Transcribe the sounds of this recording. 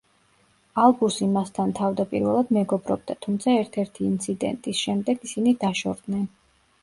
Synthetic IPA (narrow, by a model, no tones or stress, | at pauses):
alˠbusimast̪ʰant̪ʰavd̪apʼḭɾvɛlˠad̪mɛɡɔbɾɔ̰b̚d̪at̪ʰumt̪sʰaɛɾt̪ʰɛɾt̪ʰiːnt̪sʰid̪ɛ̰nt̪ʼisʃɛmd̪ɛɡisinid̪aʃɔɾd̪nɛn